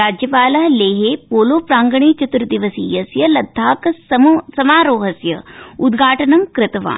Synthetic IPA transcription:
ɾaːd͡ʒjɐpaːlɐɦleːɦeːpoːloːpɾaːŋɡɐɳ̃eːt͡ʃɐt̪uɾd̪iʋɐsiːjɐsjɐlɐd̪ʱːaːkssɐmaːɾoːɦɐsjɐ̰ud̪ɡʱaːʈɐnɐmkɾɪt̪ɐʋa̰ːn

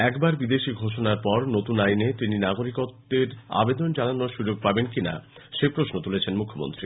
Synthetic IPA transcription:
ɛkbaɾbid̪eʃiɡʱoʃonaɾpɔɾnot̪unajnet̪ininaɡoɾikot̪ːeɾa̰bed̪ond͡ʑananoɾʃud͡ʑoɡ̚pabenkina̰ʃepɾosnot̪ulet͡ɕʰenmukʰːomo̰nt̪ɾi

